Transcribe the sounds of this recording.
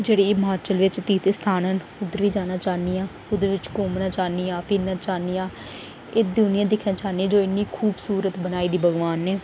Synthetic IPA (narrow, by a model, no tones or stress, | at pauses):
d͡ʒeːɽiːɪmaːt͡ʃəlʋɪt͡ʃt̪iːt̪st̪ʰaːnɦən | ʊd̪əɾʋiːd͡ʒaːnaːt͡ʃaːniːãː | ʊd̪əɾʋɪt͡ʃkoːmnãːt͡ʃaːniːãːpʰɪnãːt͡ʃaːnijãː | eːd̪ʊnɪjãːd̪ɪkʰnãːt͡ʃaːniãːd͡ʒoːɪnːiːkʰuːbsuːɾət̪bənaːiːd̪iːbʱəɡʋaːnːɛː